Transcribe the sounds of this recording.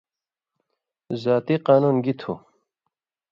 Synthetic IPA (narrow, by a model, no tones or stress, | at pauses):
zaːt̪iqɑːnuːnɡit̪ʰu